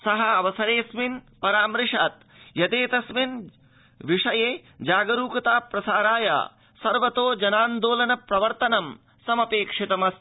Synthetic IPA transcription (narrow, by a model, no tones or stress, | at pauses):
sɐɦɐɐʋɐsɐɾeːsminpɐɾaːmɾɪʂaːt̪ | jɐt̪eːt̪ɐsmin | ʋiʂɐjeːd͡ʒaːɡɐɾuːkɐt̪aːpɾɐsaːɾaːja̰ː | sɐɾʋɐt̪oːd͡ʒɐnaːnd̪oːlɐnɐpɾɐʋɐɾt̪ɐnɐm | sɐmɐpeːkʂit̪ɐmɐs